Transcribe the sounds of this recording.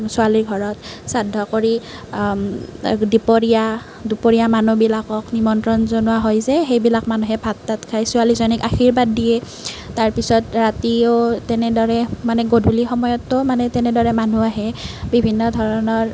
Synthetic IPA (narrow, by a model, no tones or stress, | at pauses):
sʊaliɹɡʱɔɹɔtsadʱːɔkoɹi | dupoɹija | dupoɹijamanubilakɔknimɔntɹɔnzonuwaɦɔjzɛxejbilakmanuɦɛbʱatːatkʰajsʊalizɔnikaxiɹbadːijɛ | taɹpisɔtɹatiotɛnɛdɔɹɛmanɛɡodʱulixɔmɔjɔtːɔmanɛtɛnɛdɔɹɛmanuaɦɛbibʱinːɔdʱɔɹɔnɔɹ